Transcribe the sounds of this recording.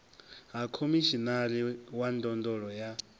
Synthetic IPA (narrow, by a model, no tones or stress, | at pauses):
ɦakʰomiʃinaliwandɔndɔɺɔja